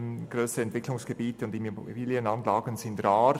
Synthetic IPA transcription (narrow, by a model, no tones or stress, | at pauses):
ɡ̥ɾøːsəɛntv̥ɪklʊŋsɡ̥ebiːtəʊndimbiːljənɑnlɑːɡənzɪndrɑːɾ